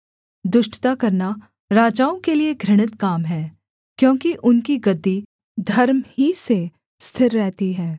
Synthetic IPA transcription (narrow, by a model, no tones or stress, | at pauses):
d̪ʊʃʈt̪akɐɾna | ɾaːd͡ʒaːõkelieɡʱɾɪɽ̃ɪt̪kaːmɦɛː | kjõːkiʔʊnkiɡɐd̪ːi | d̪ʱɐɾmhise | st̪ʰɪɾːɛɦt̪iɦɛː